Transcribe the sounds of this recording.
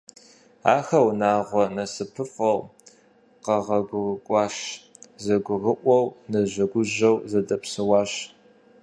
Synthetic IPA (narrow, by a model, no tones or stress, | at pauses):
a̰ːxɐwnaːʁʷɔnɐsɨpʰɨfʼɐw | qɐʁɐɡʷʊrkʷʼɑːɕzɐɡʷʊrɨʔʷɔwnɐʑɐɡʷʊʑɐwzɐdɐpsɨwɑːɕ